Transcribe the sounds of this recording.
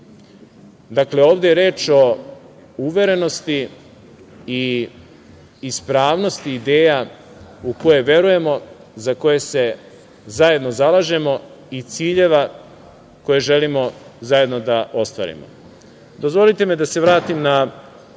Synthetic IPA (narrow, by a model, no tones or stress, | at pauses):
d̪akle̞o̞ːʋd̪ejeɾeːt͡ʃo̞ | uʋe̞ɾe̞no̞st̪i | i | spɾaːʋno̞st̪iːd̪e̞ːja | uko̞je̞ʋe̞ɾuje̞mo̞ | zako̞je̞se̞ | zaje̞d̪no̞zalaʒe̞mo̞ | it̪siːʎe̞ʋa | ko̞je̞ʒe̞limo̞zaje̞d̪no̞d̪aʔo̞st̪ʋa̰ːɾḭmo̰ | d̪o̞zvʋo̞lit̪e̞med̪ase̞ʋɾaːt̪imna